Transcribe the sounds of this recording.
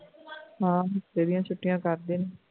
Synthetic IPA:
ɦãːɦɾeːɾijãːt͡ʃʰʊʈːijãːkəɾd̪eːne

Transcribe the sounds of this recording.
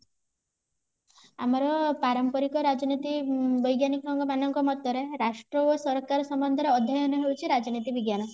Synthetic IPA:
amɔɾɔpaɾɔmpɔɾikɔɾad͡ʒɔnit̪ibɔjɡjanikɔɾɔŋɡɔmanɔŋkɔmɔt̪jɔɾeɾaʃʈɾɔosɔɾkaɾɔsɔmbɔnd̪ʱɔɾeɔd̪ʱːjɔjɔnɔɦewt͡ʃʰiɾad͡ʒɔnit̪ibiɡjanɔ

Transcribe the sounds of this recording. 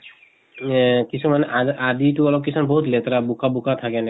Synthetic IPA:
kisʰumanɛʔaʔad̪ituɔlɔb̚kisʰɔnbɔɦut̪let̪ɾabukabukʰat̪ʰakɛnɛ

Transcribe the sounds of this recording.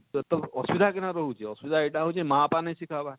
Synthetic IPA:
t̪ɔɔsbid̪ʱakenaɾɔɦut͡ʃʰeɔsbid̪ʱaeʈaɦot͡ʃʰemãpanejsikʰaba

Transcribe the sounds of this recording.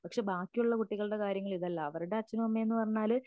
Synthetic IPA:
pɐkʂe̞ːbaːkːijuɭːɐkuʈːiɣɐɭɨɽe̞kaːɾjɐŋːɐɭiðɐlːɐːʋɐɾuɽe̞ɐt͡ɕːɐnɐmɐmːeenːɨpɐrɐɲːaːl

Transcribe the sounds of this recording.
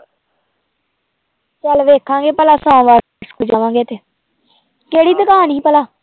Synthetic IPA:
t͡ʃəlʋeːkʰãːŋɡeːpəlaːsɔ̃ːʋaːɾ | skʊd͡ʒaːʋãːŋɡeːt̪eː | keːɽiːd̪əkaːniːpəlaː

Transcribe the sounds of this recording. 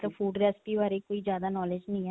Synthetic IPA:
t̪əbfʰuːɖɾɛːspiːʋaːɾeːkoːiːzjaːd̪aːnɔːled͡ʒnəĩːɛ

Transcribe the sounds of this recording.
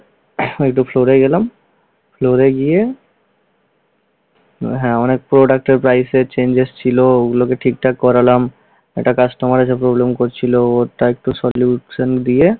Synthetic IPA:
ek̚ʈupʰloɾeɡelam | pʰloɾeɡie | ɦɛ̃ɔnek̚pɾoɖak̚ʈeɾpɾajset͡ɕend͡ʑest͡ɕʰilooɡulokeʈʰik̚ʈakːɔɾalam | ḛʈakasʈɔmaɾesʰepɾoblemkoɾt͡ɕʰilooɾʈaek̚ʈusɔljuʃənd̪ie

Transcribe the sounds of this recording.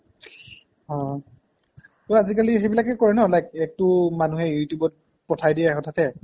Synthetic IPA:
ɦɔ̃ | toazikalixejbilakɛkɔɹɛnɔlajk̚ɛk̚tʊmanuɦɛjutjubɔt̚ | pɔtʰajdijaxɔtʰatɛ

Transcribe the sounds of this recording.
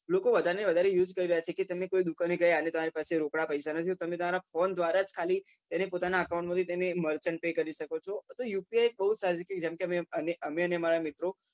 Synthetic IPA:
lokoʋəd̪ʱaɾeneʋəd̪ʱaɾejud͡ʒkəɾiɾəjat͡ʃʰeket̪əmekoid̪ukaneɡəjanet̪əmaɾipaseɾokɽapəisanət̪ʰiot̪əmẽt̪əmaɾafond̪ʋaɾad͡ʒkʰali | t̪enepot̪anaəkaũɳʈmad̪it̪eneməɾt͡ʃəɳpekəɾiʃəkot͡ʃʰɔt̪ojupiajek̚bəɦusaɾid͡ʒəked͡ʒemkemeəneʔəmeəneəmaɾamɪt̪ɾo

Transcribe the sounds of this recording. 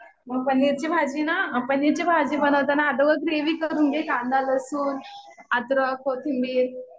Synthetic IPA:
məɡpəniɾt͡ɕibʱad͡ʑinapəniɾt͡ɕibʱad͡ʑibənəʋt̪anaːɖoɡəkɾeʋiːkəɾunɡekãnd̪aləsuːn | ad̪ɾəkʰot̪ʰimbiːɾ

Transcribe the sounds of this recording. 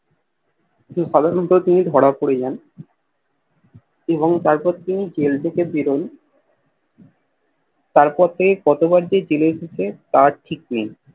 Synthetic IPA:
kĩt̪uʃad̪ʱaɾɔnt̪ot̪inid̪ʱɔɽapoɽed͡ʑan | eβoŋt̪aɾpɔɾt̪inid͡ʑelt̪ʰekebiɾon | t̪aɾpɔɾt̪ʰekekɔt̪obaɾd͡ʑed͡ʑeleeʃet͡ɕʰet̪aʈʰik̚ni

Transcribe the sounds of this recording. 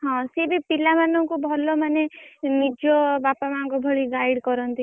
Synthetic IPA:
ɦɔ̃sebʱipilamanɔŋkubʱɔlɔmanemid͡ʒobapamanɔ̃ŋkɔbʱɔɭiɡajɽkɔɾɔnt̪i

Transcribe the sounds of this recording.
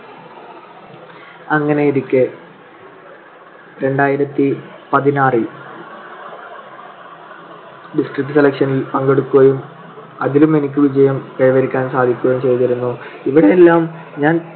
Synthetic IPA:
ɐŋːɐne̞iðikʲːɨ | ɾe̞ɳɖaːjiɾɐt̪ːipɐðinaːrɨ | ɖisʈrik̚ʈːɨselɐkʂɐnilpɐŋɡe̞ɽukːuɣɐjum | ɐðilume̞nik̬ʲːɨʋid͡ʑɐjɐmkeɻɐʋɐɾikʲːaːnsaːd̪ʱikʲːuɣɐjumt͡ɕe̞jt̪ɐɾunːuiʋiɽejelːaːm | ɲaːn

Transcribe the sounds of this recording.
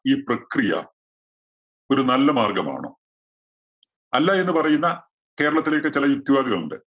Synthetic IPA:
iːprɐkrijɐ̰ | o̞ɾunɐlːɐmaːrɡɐma̰ːɳo̰ː | ɐlːae̞nːɨpɐrɐjunːɐ | ke̞ːɾɐɭɐt̪ːileːkːɨt͡ɕilɐjuk̚t̪ːiʋaːðiɣɐɭunɳde

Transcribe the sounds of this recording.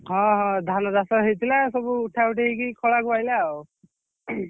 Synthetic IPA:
ɦɔ̃ɦɔ̃d̪ʱanɔd̪asɔɦejt̪ʰilasɔbuːʈʰauʈekikikʰɔɭakupajlaw

